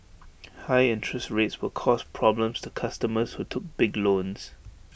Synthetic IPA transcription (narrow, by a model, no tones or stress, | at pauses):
haɪɪ̃ntʰɹəstɹetswəkʰɔspʰɹɔblə̃mstʰukʰastəməshutʰʊk̚b̥ɪɡlõns